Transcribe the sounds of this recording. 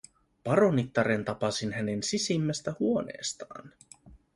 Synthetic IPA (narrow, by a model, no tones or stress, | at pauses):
pɑɾo̞nit̪ːɑɾent̪ɑpɑsinɦæne̞nsisimːæst̪æhuone̞̰ːst̪ɑ̰ːn